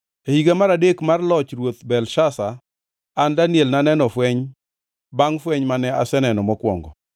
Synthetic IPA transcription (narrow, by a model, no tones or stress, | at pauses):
ehiɡamaɾadekmarlɔt͡ʃrwot̪bɛlʃasa | andanjelnanɛnɔfwɛɲ | baŋfwɛɲmanɛasɛnɛnɔmɔkwɔ̰ŋɡɔ̰